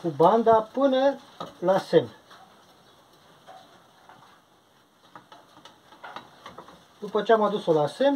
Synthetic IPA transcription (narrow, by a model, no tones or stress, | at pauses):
kuband̪apɨnə | lasem | d̪upət͡ʃeamad̪uso̞lase̞n